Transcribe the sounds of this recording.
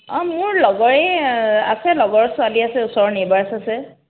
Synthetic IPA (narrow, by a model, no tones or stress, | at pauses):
ɔ̃mʊɹlɔɡɔɹɛasɛlɔɡɔɹsʊaliasɛʊsɔɹnebaɹasɛsɛ